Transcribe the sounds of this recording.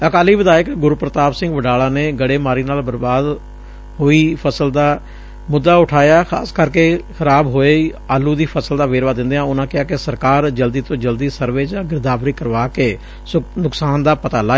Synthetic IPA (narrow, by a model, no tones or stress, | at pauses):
əkaːliːʋɪd̪aːjəkɡʊɾuːpɾət̪aːbsɪ̃ŋɡʋəɖaːlaːneːɡəɽeːmaːɾiːnaːlbəɾbaːd̪ | ɦoːiːpʰəsəld̪aː | mʊd̪ːaːʊʈʰaːjaːxʰa̰ːskəɾkeːxʰəɾaːbɦoːe | aːlːuːd̪iːpʰəsəld̪aːʋeːɾʋaːd̪ɪ̃nd̪eːãːʊnãːkɪɦaːkɪsəɾkaːɾd͡ʒəld̪iːt̪õːd͡ʒəld̪iːsəɾʋeːd͡ʒãːɡɪɾd̪aːʋɾiːkəɾʋaːkeː | snʊksaːnd̪aːpət̪aːlaː